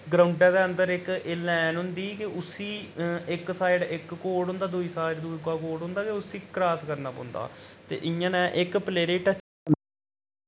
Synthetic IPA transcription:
ɡɾaːʊɳɖɛːd̪eːənd̪əɾɪkeːlɛːnɦʊ̃nd̪iːkɪʊsiːɪksaːɪɖɪkːoːɖɦʊ̃nd̪aːd̪ʊiːsaːɪɖd̪uːikaːkoːɾɖɦʊ̃nd̪aːkɪʊsiːkɾaːskəɾnaːpɔ̰̃ːnd̪a̰ːt̪ḛːʔɪ̃jãːnɛ̃ːʔɪkpleːɾeːʈɛː

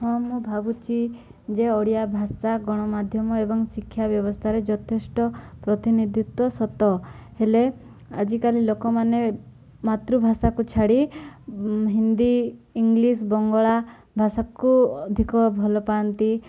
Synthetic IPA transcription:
hɔmubʱabut͡ʃʰi | d͡ʒeɔɽijabʱasaɡɔɽ̃ɔmad̪ʱjɔmɔebɔŋsikʰːjabjɔbɔst̪ʰaɾed͡ʒɔt̪ʰesʈɔpɾɔt̪inid̪ʱjut̪wɔsɔt̪ɔhele | a̰d͡ʒikalilokɔmane | mat̪ɾubʱasakut͡ʃʰaɽi | ɦind̪iiŋɡlis̬bɔŋɡɔɭa | bʱasakuɔd̪ʱikɔbʱɔlɔpant̪i

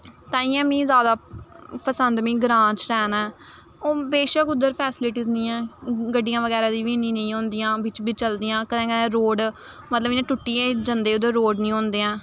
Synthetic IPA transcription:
t̪ãːĩːɛ̃ːmĩːzaːd̪aːpəsənd̪mĩːɡɾãːt͡ʃɾɛːnɛː | oːbeːʃəkʊd̪əɾpʰɛːsɪlɪʈiːznĩːɛ̃ːɡəɖːijãːʋəɡɛːɾaːd̪iːʋiːnĩːnẽːɦõːnd̪ijãːʋɪt͡ʃbʱiːt͡ʃəld̪ijãːkənɛ̃ːkəɛ̃ːɾoːɖ | mət̪ləbɪnẽːʈʊʈːiːeːd͡ʒənd̪eːʊd̪əɾːoːɖnĩːɦõːnd̪eːãː

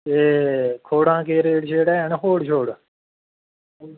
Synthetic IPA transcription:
eːkʰoːɽãːkeːɾeːɽʃeːɽɛːnɦoːɽʃoːɽ

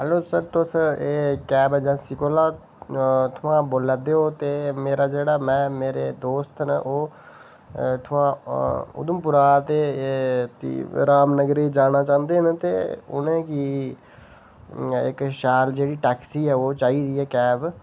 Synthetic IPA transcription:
ɦɛːloːsəɾt̪ʊseːkɛːbɛːd͡ʒãːsɪkoːlaː | t̪ʰʊãːboːlad̪eːoːt̪eːmeːɾaːd͡ʒeːɽaːmɛ̃ːmeːɾeːd̪oːst̪nə̰ʔoː | t̪ʰʊãːʊ̰d̪əmpʊɾaːt̪eːt̪ḭɾaːmnəɡɾeːd͡ʒaːnaːt͡ʃãːnd̪eːnt̪ḛːʊ̰nẽːkiː | ɪ̰kʃaːld͡ʒeːɽiːʈɛːksiːɛːoːt͡ʃaːiːd̪iːɛːkɛːb

